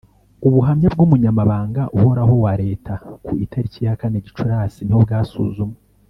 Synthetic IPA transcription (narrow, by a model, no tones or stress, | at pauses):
uβuɦamɲab̚ɡumuɲamaβaːŋɡaʔuho̞ɾaɦo̞waɾe̞ːtʰakuitʰaɾicijakaneɟit͡ʃuɾasiniobɡaːsṵzume